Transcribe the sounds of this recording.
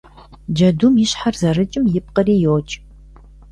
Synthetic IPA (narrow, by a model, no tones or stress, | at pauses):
d͡ʒɐdumjɪɕħarzɐrɨt͡ʃʼɪmjɪp̚qəriːjoːt͡ʃʼ